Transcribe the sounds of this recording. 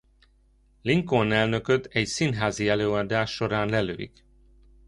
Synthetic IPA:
liŋkonɛlnø̞køt̪ɛɟsinɦaːziɛløːɒd̪aːʃːo̞ɾaːnlɛlø̰ːḭk

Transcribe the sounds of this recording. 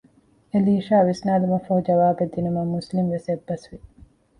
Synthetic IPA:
eliːʃaːʋisnaːlumɐfɐhud͡ʒɐʋaːbed̪ːinumɐmuslimʋesebːɐsʋi

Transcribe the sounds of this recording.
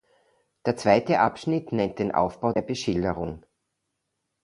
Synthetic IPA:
d̥eːɐt͡sv̥aɪtəʔapʃnɪtnɛnt̚d̥eːnʔa̰ʊfb̥aʊdeːɐbəʃɪldəʁʊŋ

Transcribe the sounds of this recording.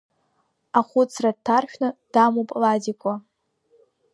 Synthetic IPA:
aχʷʊt͡sʰrad̚tʰarħʷᶣnɨd̥amopʼladikʷʼa

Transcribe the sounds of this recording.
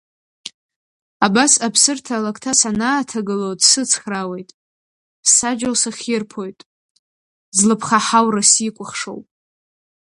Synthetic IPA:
abasapʰsɨrtʰalakʰʼtʰasanaːtʰaɡɨlodsɨt͡sʰχrawe̞jtʼ | ssad͡ʒalsaχʲirpʰo̞jtʼ | zlɨpʰχaħawrasikʷʼʊχʂo̰wpʼ

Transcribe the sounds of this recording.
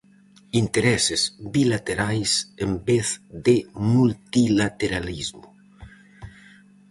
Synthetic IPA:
int̪eɾɛsezbilat̪eɾajsembeθd̪emult̪ilat̪eɾalizmu

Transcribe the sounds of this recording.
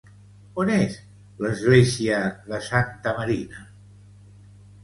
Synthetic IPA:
onez | ləzɣleziəðəsant̪əməɾinə

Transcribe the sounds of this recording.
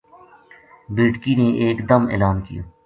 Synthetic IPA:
biːʈkineʔeːkd̪əmḛːlaːnkɪ̰jo̰ː

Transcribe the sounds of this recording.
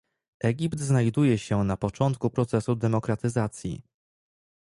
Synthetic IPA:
ʔɛɡʲipt̪znajd̪ujɛɕɛnapɔt͡ʂɔnt̪kupɾɔt̪sɛsud̪ɛmɔkɾat̪ɘzat̪sʲjḭ

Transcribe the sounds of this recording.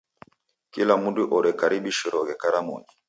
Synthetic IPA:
kilamuduʔɔɾɛkaɾibiʃiɾɔɡɛkaɾamɔ̰ɲi

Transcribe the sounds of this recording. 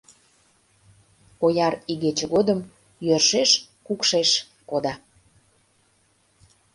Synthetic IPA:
ojɑɾiɣet͡ɕeɣod̪əm | jørʃeʃkukʃeʃ | kod̪ɑ

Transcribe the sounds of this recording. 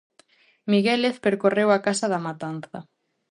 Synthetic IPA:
miɣeleθpeɾkorewakasɐðamat̪anθɐ

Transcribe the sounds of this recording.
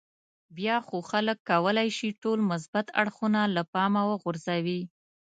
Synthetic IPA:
bjɑxoxaləkːawəlajʃiʈolmʊs̬bat̪a̰ɽxunalapɑmawəɣʊɾzawi

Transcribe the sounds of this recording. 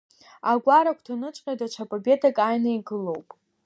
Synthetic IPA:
aɡʷaɾakʷʰtʰanɨt͡ʃʷʼqʲʼadat͡ʃʷʰapʼabe̞tʰakʼajnaiɡɨlo̞wpʼ

